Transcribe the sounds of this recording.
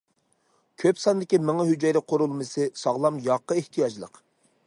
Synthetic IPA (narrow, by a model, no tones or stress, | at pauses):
kʲʰøpsɑnd̪ɪkʲimɪŋɦyd͡ʒɛjɾɪqʰoɾulˠmɨsɨsɑʁlˠɑmjɑqːəeht̪ʰijɑd͡ʒlˠə̰q